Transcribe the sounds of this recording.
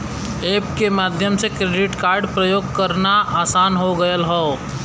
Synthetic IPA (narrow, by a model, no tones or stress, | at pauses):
eːpkemaːd̪ʱjəmsekɾeːɖɪʈkaːɾɖpɾəjoːɡkəɾnaʔaːsaːnɦoɡəjəlɦoː